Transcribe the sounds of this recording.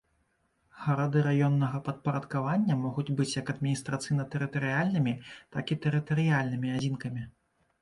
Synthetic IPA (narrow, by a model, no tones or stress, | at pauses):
ɣɐɾad̪ɨɾajɔnːɐɣɐpɐt̪̚pɐɾɐt̪kavanʲːɐmɔɣud͡zʲbɨt͡sʲjakɐd̪mʲinʲist̪ɾat̪sɨjnɐt̪ɛɾɨt̪ɐɾɨjalʲnɨmʲit̪akit̪ɛɾɨt̪ɐɾɨjalʲnɨmʲiad͡zʲinkɐmʲi